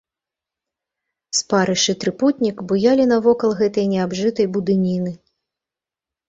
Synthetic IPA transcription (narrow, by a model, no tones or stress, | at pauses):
spaɾɨʂɨt̪ɾɨput̪ʲnʲikbujalʲinɐvɔkɐlˠɣɛt̪ɐjnʲɛabʐɨt̪ɐjbud̪ɨnʲinɨ